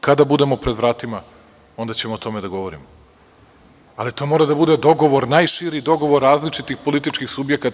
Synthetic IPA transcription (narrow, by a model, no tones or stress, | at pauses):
kad̪abud̪e̞mo̞pɾe̞d̪ʋɾaːt̪ima | o̞nd̪at͡ɕemoot̪o̞med̪aɡo̞ʋoɾḭmo | alit̪o̞mo̞ːɾad̪abud̪ed̪o̞ɡo̞ʋo̞ɾnajʃiɾid̪o̞ɡo̞ʋo̞ɾːaːzlit͡ʂit̪ixpo̞lit̪it͡ʃkixsubjekat̪